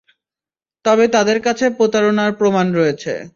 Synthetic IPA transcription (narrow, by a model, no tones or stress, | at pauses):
t̪ɔbet̪ad̪eɾkat͡ɕʰepɾot̪aɾonaɾpɾomanɾɔet͡ɕʰḛ